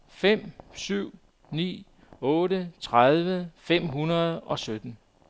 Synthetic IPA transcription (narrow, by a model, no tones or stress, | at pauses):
fem̰syʊ̰ | nḭː | ɔ̽ːɾət͡sʰʁaðˠʋəfem̰ɦunɐð̞̩ˠɒ̽sød̥n̩